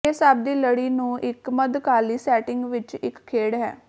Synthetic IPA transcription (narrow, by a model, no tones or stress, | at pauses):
eːsaːb̚d̪iːləɽiːnũːʔɪkməd̪kaːliːsɛːʈɪŋɡʋɪt͡ʃɪkʰːeːɽɦɛ̰ː